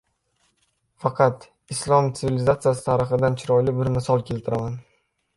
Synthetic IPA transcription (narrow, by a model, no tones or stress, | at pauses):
fɑqʰɑt̪ | ɪslˠɒmt̪sʰɪvilɪzat̪sɨjasɪ̥t̪ʰaɾɪχɪd̪ant͡ʃʰɪɾɒjlɪbɪɾmɪsɒlˠkʲʰe̞lt̪ʰɪɾaman